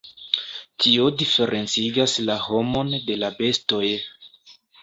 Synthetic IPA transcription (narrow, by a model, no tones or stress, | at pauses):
tʰio̞dife̞ɾʔe̞nt͡siɡaslaho̞mo̞nde̞labe̞sto̞j